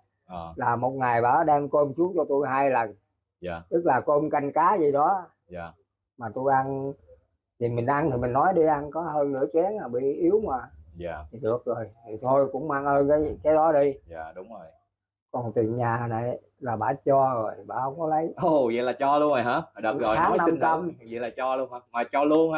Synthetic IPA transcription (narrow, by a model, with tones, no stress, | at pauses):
ʔə˨˩laː˨˩mo˨˩t̚ŋa˨˩jɓa̰ː˧˥ɗɛ˧mko˧msu˨˦əŋt͡ɕɔ˧t̪u˧jɦaː˧jlə˨˩n | aː˨˩t̪ɨ˦˥k̚laː˨˩ko˧mka˧jŋ̟kaː˨˦zi˨˩ɗɔ˨˦ | a˨˩ | maː˨˩t̪u˧jʔa˧n | t̪ʰi˨˩mï˨˩ŋ̟ʔa˧nt̪ʰi˨˩mi˨˩ŋ̟nɔ˨˦jɗi˧ʔa˧nkɔ˨˦ɦəː˧nlɨ̰˧˥ət͡ɕɛ˨˦ənaː˨˩ɓḭ˧˨ʔi˨˦əwŋwaː˨˩ja˨˩t̪ʰi˨˩ɗɨ˨˩ək̚zo˨˩jt̪ʰi˨˩t̪ʰo˧jkʊ̰˧˥ŋ͡mmaː˧ŋhəː˧nkaː˨˦jkaː˨˦jɗɔ˨˦ɗi˧aː˨˩ɗʊ˨˦ŋ͡mzo˨˩j | kɔ˨˩nt̪i˨˩ənɲaː˨˩na˨˩j | laː˨˩ɓa̰ː˧˩t͡ɕɔ˧zo˨˩jɓa̰ː˧˩hə˧wŋ͡mkɔ˨˦lə˨˦jo˧zə̰˧˨jlaː˨˩t͡ɕɔ˧lu˧əno˨˩jɦaː˨˦˨ɗəː˨˩ɣɔ˨˩aː˨˦na˧i˧mŋt͡ɕə˧m˨zə̰˧˨laː˨˩t͡ɕɔ˧lu˧ənhaː˧˦maː˨˩t͡ɕɔ˧lu˧ənha˧˦